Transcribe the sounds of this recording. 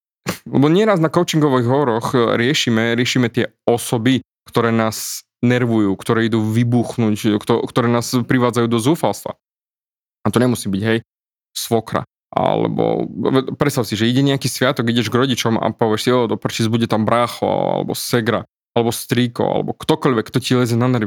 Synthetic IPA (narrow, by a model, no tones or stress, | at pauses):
lɛ̰bɔɲɪɛɾaznakɔʊt͡ʃiŋɡɔʋiɣɦɔɾɔxɾɪɛʃiːmɛɾɪɛʃiːmɛt̪ɪɛ | ɔsɔbi | kt̪ɔɾɛːnaːz | nɛɾʋujuːkt̪ɔɾɛːid̪uːʋibuːxnuːckt̪ɔkt̪ɔɾɛːnaːspɾiʋaːd͡zajuːd̪ɔzuːfalst̪ʋa̰ | at̪ɔɲɛmusiːbiɟɦɛj | sʋɔkɾa̰ | ʔa̰lɛ̰bɔ̰ɛpɾɛt̪st̪aʊsiʒɛiɟɛɲɛakiːsʋɪat̪ɔɡiɟɛʒɡɾɔɟit͡ʃɔma̰pɔʋɪɛʃsiɔd̪ɔpr̩t͡ʃid͡zbuɟɛt̪ambɾaːxɔa̰a̰lɛ̰bɔ̰sɛɡɾa̰ | alɛbɔst̪ɾiːkɔ̰a̰lɛ̰bɔkt̪ɔkɔʎʋɛkːt̪ɔcilɛzɛnanɛɾʋi